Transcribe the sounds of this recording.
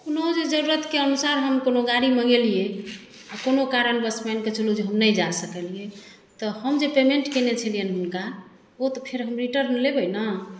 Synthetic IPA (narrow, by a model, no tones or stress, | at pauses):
konod͡ʒed͡ʒəɾuɾət̪keənusaɾɦəmkonoɡaɾiməɡelije | akonokaɾənbəsmanket͡ʃʰəlud͡ʒeɦəmnəjd͡ʒasəkəlije | t̪ɔhəmd͡ʒepemeɳʈkenet͡ʃʰəlijəneunka | ot̪ɔpʰeɾɦəmɾiʈəɾnlebəjnə